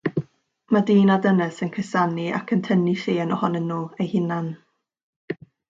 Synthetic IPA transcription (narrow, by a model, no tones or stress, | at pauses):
madiːnadənəsənkʰəsania̰kʰəntʰəniɬeːnɔhɔnənːuːejhɪnan